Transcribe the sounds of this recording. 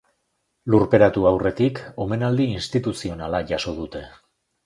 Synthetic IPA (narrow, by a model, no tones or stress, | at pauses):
luɾpe̞ɾat̪uawre̞t̪iko̞me̞nald̪iːnst̪it̪usio̞nalaʝaso̞ð̞ut̪e̞